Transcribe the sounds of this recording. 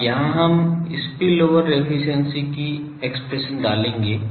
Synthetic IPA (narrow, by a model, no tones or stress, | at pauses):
jɐɦãɦɐmɪspiloːʋəɾːepʰɪʃənsiki | ekspɾeʃəndaːlẽːŋɡeː